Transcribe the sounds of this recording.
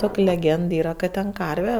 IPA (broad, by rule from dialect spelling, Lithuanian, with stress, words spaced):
ˈtoːkʲ lʲɛˈɡʲɛnt ˈiːrɐ kɐt tʲɛn ˈkɐrʲʋʲɛ